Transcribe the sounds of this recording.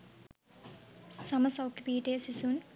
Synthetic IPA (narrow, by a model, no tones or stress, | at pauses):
sɐmɐsɐwkːipiːʈeːsisun